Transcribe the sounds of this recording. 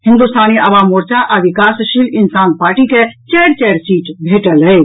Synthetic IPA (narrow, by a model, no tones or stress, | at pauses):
ɦĩnd̪ust̪ʰaniəʋamoɾt͡ʃaʔaʋikasʃilinsanpaɾʈiket͡ʃɛɾt͡ʃɛɾsiʈbʱeʈəlɦəj